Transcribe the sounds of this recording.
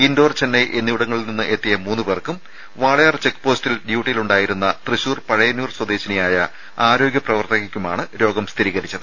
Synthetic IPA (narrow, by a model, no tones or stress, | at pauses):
indo̞ːrt͡ɕenːɐjʔenːiʋuɽɐŋːɐɭilninːɨʔet̪ːijɐmuːnːuberkːum | ʋaːɭɐjart͡ɕe̞kːɨ̥po̞ːstilɖjuːʈːijiluɳɖaːjiɾunːɐt̪riɕuːrpɐɻɐjɐnjuːrswɐd̪e̞ːɕinijaːjɐ | aːɾo̞ːɡʲjɐprɐʋɐrt̪ɐɣikʲːuma̰ːɳɨɾo̞ːɡɐmst̪ʰiɾiːɣɐɾit͡ɕːɐðɨ